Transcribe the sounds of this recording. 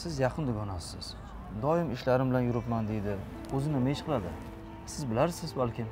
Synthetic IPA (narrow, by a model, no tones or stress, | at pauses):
sɪzjɑqʰɨnd̪ʊɡʲɒnasɪz̥ | d̪ɒɪmɪʃlaɾɪmbɪlanjʊɾɪpmand̪e̞jd̪ɪ | ɵzɪnɪmeʃqʰɨlˠad̪ɪ | sɪzbɪlaɾsɪzbalkʲɪm